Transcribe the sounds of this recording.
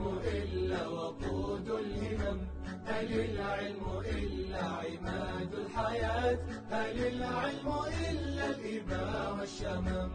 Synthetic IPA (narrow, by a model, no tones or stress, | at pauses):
ʔɪlːawɑquːd̪alhɪmam | ʔalilʕɪlmʊʔɪlːaʕɪmaːd̪alħajaːt̪ | ʔalilʕɪlmʊʔɪlːalʔɪbaːwaʃːamaːm